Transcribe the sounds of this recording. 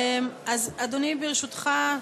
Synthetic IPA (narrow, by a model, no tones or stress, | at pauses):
mazad̪onibiʁeʃut̪χa